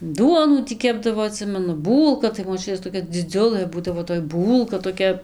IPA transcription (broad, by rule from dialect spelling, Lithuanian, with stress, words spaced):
ˈduɔnuː ˈtʲiː ˈkʲæːbdɐʋoː ɐˈtʲsʲɪmʲɛnʊ ˈbuːlˠkɐ tɐɪ moːˈt͡ʃʲʊtʲeːs toːˈkʲɛ d͡zʲɪˈd͡zʲʊlˠɘ ˈbuːdɐʋoː toːj ˈbuːlˠkɐ toːˈkʲɛ